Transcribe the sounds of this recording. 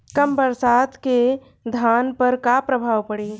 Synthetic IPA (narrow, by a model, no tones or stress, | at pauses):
kəmbəɾsaːt̪ke | d̪ʱaːnpəɾkapɾəbʱaːwpəɽi